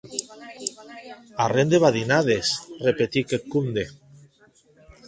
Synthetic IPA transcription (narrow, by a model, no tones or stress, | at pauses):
arend̪eβaðinaðesrepet̪ikekumd̪e